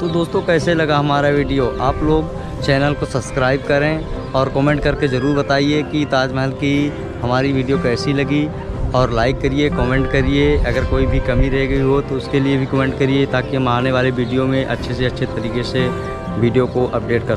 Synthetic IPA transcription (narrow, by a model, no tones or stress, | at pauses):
t̪od̪oːst̪õkɛːselɐɡaɦɐmaːɾaʋiːɖijoʔaːploːɡ | t͡ʃɛːnəlkosɐbskɾaːɪb̚kɐɾẽ | ɔːɾkɔːmẽːɳʈ̚kɐɾkezɐɾuːɾbɐt̪aːiekiɪt̪aːd͡ʒmɛɦəlki | ɦɐmaːɾiʋiːɖijokɛːsilɐɡi | ɔːɾlaːɪkːɐɾiekɔːmẽɳʈkɐɾieɐɡəɾkoːibʱikɐmiɾɐɦeɡɐiɦot̪oʊskeliebʱikɐmɛ̃ːɳʈ̚kɐɾiet̪aːkiɦɐmaːneʋaːleʋiːɖijomẽʔɐtːʃʰeseɐtːʃʰet̪ɐɾiːkese | ʋiːɖijokoʔɐp̚ɖeːʈ̚kɐɾ